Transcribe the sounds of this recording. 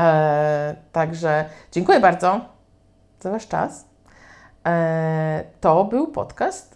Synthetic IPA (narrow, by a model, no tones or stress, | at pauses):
t̪aɡʐɛd͡ʑeŋkujɛbaɾd̪zɔ | zavaʂt͡ʂa̰s | t̪ɔbɘwpɔ̰t̪kast̪